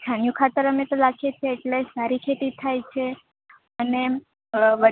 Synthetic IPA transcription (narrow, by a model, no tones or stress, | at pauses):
st̪ʰanjũkʰat̪əɾəmet̪olakʰet͡ʃʰeːʈlesaɾikʰet̪it̪ʰajt͡ʃʰe | əne | ʋə